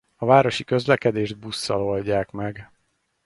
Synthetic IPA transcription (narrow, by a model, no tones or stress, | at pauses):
ɒvaːɾo̞ʃikø̞zlɛkɛd̪eːʒd̪̚busːɒlo̞lɟaːkmɛɡ